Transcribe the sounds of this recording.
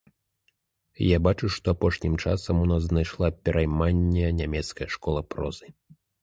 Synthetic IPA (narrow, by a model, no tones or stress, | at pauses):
jabat͡ʂuʂt̪ɔapɔʂnʲimt͡ʂa̰sɐmunaznajʂlˠapʲɛɾʔajmanʲːɛnʲamʲɛt̪skɐjʂkɔlˠɐpɾɔ̰zɨ